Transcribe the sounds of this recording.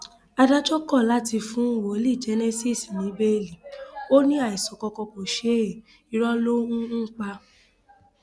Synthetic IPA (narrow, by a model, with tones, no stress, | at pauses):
a˧da˦d͡ʒɔ˦kɔ˦˨la˨˦ti˧fũ˦˨wo˨˦li˦˨d͡ʒe˨˦ne˦si˦˨snĩ˨˦be˦˨li˨o˦nĩ˦a˦˨i˨sɔ˨kɔ˧kɔ˧kɔ˨ʃe˨˦e˨ | i˨˦ɾɔ˦lo˦ũ˦n̩˦k͡pa˧